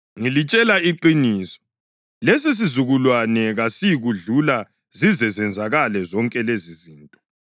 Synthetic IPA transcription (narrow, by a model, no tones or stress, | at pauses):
ŋilit͡ʃʼɛlaiǃiniːsɔ̥ | les̬is̬izuɣulwanɛɣasiɣuɮula | zizɛzɛnd͡zʱaɣalɛzɔŋkʼɛleziziːntʼɔ